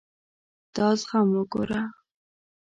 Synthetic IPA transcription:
t̪ɑsχamwəɡo̰ɾa

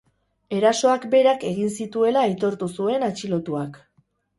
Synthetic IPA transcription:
e̞ɾaso̞akbe̞ɾake̞ɣinsit̪ue̞laːjt̪o̞ɾt̪usue̞nat͡ʃilo̞t̪uak

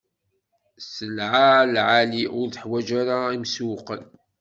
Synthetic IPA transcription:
səlʕalʕaliʊɾθəħwæd͡ʒaɾaimswqəl

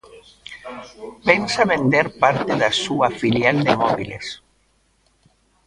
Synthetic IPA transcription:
pensaβend̪eɾpaɾt̪eðasuafiljald̪emɔβilḛs

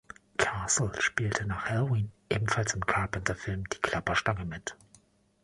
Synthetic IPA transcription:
kʰaːsl̩ʃpiːltʰənaːχhɛlowiːnʔeːbm̩falsɪmkʰaːpɪntʰɐfɪlmd̥iːkʰl̥apɐʃtaŋəmɪt

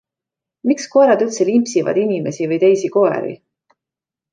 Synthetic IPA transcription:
miksko̞eɾɑd̪ylt̪selimpsivɑ̰d̪̥inʲime̞sivɤjt̪e̞jsiko̞ḛɾḭ

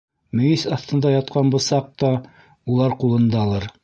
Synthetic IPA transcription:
mɵ̆jisɑθt̪ɤ̆nd̪ɑjɑt̪qɑnbŏsɑq̚t̪ɑ | ulˠɑɾqulˠɤ̆nd̪ɑlˠɑɾ

